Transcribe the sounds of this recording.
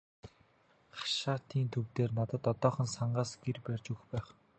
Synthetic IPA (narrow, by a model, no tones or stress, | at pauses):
χḁʃaːt̪ʰiːnt̪ʰɵwt̪eːrnat̪ə̆t̪ɔt̪ɔːχə̆nsaɴɢaːsɡ̥erpærʲt͡ɕuxpæːχ